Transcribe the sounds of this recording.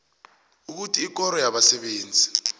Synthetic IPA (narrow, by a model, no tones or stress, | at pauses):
uk̬utʰiːk̬ɔɾɔjaɓasɛɓeːnd͡zʱi